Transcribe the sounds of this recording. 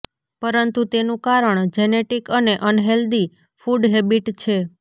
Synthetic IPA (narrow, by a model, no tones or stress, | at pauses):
pəɾənt̪ut̪enũkaɾəɳd͡ʒɛneʈikəneʔənɦeld̪i | fuɖɦebiʈt͡ʃʰe